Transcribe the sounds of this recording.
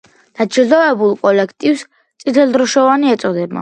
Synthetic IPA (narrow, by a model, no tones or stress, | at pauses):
d̪̥at͡ʃzɔɛbulˠkʼɔlɛkʰt̪ʼivs | sʼit̪ʰɛlˠd̪ɾɔʃɔvaniɛt̪sʼɔd̪ɛba̰